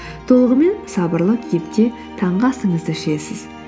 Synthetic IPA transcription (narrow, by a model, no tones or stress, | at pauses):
t̪ʰo̞lˠəʁəme̞nsɑbəɾlˠəkʲʰjepk̪ʲe̞ | t̪ʰɑɴʁɑsəɴəzd̪əʃesɪz̥